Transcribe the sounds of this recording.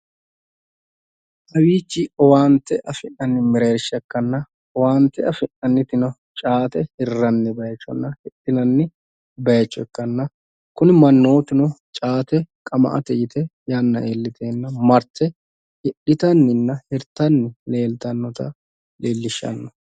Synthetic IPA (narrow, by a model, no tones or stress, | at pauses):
ʔɐwiːt͡ʃːɪɔwaːnt̪ːɛʔɐfɪʔɐnːɪmɪɾeːɾɪʃːɐkːɐnːɐ | waːnt̪ːɛɐfɪʔɐnːɪt̪ɪnɔ | t͡ʃʼaːt̪ɛhɪrːɐnːɪbɐjɐt͡ʃːɔnːɐhɪᶑɪnɐnːɪ | bɐjɐt͡ʃːʊɛkːɐnːɐ | kʊnɪmɐnːo̞ːt̪ɪnʊt͡ʃʼaːt̪ɛkʼɐmɐ̰ʔɐ̰t̪ɛjɪt̪ɛjanːɐʔeːlːɪt̪ʰeːnːɐmɐɾt̪ʰɛ | hɪᶑɪt̪ɐnːɪnːɐhɪɾt̪ɐnːɪle̞ːlt̪ɐnːɔt̪ɐ̰ | leːlːɪʃːɐ̰nːɔ̥